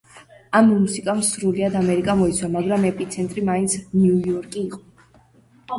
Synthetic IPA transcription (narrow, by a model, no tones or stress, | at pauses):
ammusikʼamsɾuliad̪amɛɾikʼamɔit̪sʰwamaɡɾamɛpʼit̪sʰɛnt̪ʼɾimaint̪sʰnjujɔɾkʼiːqʼɔ